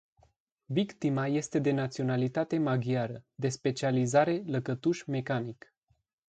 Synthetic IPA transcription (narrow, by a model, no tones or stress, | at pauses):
vikt̪imaje̞st̪e̞d̪e̞nat̪sio̞nalit̪at̪e̞maɡiaɾəd̪e̞spe̞t͡ʃializaɾe̞ləkət̪uʃme̞kanik